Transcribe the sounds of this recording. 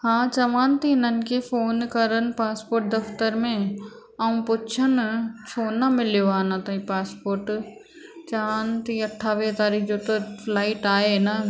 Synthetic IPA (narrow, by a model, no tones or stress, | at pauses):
hãːt͡ʃɐʋaːnt̪inən̆kefoːnkɐɾən̆paːspoːɾʈ̚d̪ɐft̪əɾmẽ | aũpʊt͡ʃʰənt͡ʃʰoːnamɪljoaːnãt̪ɐipaːspoːɾʈ | t͡ʃɐʋaːnt̪iɐʈʰaːʋẽt̪aːɾiːkʰd͡ʒoːt̪oflaːɪʈaːena